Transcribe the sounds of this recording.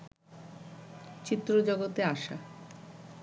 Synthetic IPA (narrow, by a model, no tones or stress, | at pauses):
t͡ɕit̪ːɾod͡ʑɔɡot̪eaʃa̰